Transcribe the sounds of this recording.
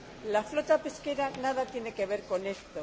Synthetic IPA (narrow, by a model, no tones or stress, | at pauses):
laflo̞t̪ape̞ske̞ɾanað̞at̪je̞ne̞ke̞β̞e̞ɾko̞ne̞st̪o